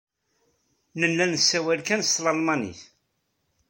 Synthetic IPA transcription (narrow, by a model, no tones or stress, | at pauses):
nənːænəsːæwælkænst̪lɑlmɑnḭθ